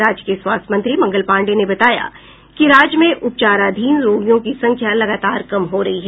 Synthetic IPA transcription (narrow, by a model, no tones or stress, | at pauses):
aːd͡ʒkeswaːst̪ʰmɐ̃nt̪ɾimɐ̃ŋɡəlpãːɳɖenebɐt̪aːja̰ | kiɾaːd͡ʒjmẽʔʊp̚t͡ʃaːɾad̪ʱiːnɾoːɡijõkisɐ̃ŋkʰjalɐɡaːt̪aːɾkɐmɦoɾɐɦiɦɛː